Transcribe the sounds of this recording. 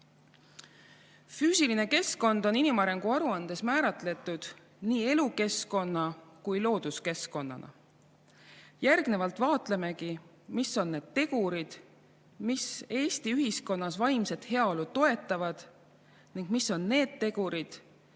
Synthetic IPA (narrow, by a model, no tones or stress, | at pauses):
fyːsiline̞ke̞sko̞nd̪o̞ninimɑɾe̞ŋɡ̥uɑɾuɑnd̪e̞smæːɾɑt̪ˑle̞t̪ːˑud̪̥ | niːe̞luke̞sko̞nːɑkujlo̞ːd̪̥uske̞sko̞nːɑ̰nɑ̰ | jærɡne̞vɑlt̪ˑvɑːt̪ˑle̞me̞ɡi | miso̞nːe̞ːd̪̥̚t̪e̞ɡ̥uɾid̪̥ | mise̞ːst̪iyɦisko̞nːɑsvɑjmse̞t̪he̞ɑo̞lut̪o̞e̞t̪ːˑɑvɑd̪̥ | niŋɡ̥miso̞nːe̞ːd̪̥t̪ːe̞ɡ̥uɾid̪̥